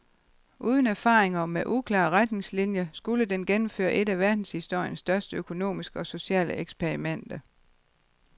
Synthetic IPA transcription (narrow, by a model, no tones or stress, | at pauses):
ʔuːð̞ˠənæɐfɑ̰̈ːʁeŋɐmeʔukʰlɑ̰̈ːʁad̥ne̝ŋslinjəsɡ̥uləd̥enɡ̥enm̩fø̰ːɐʔe̝dæʋæɐd̥n̩shisd̥o̝ɐ̰jənsd̥ɶɐsd̥əøkʰo̝no̝̰ːmisɡ̥əɒ̽so̝ɕɛ̰ːləeɡ̥spʰeɐʁimen̰d̥ɐ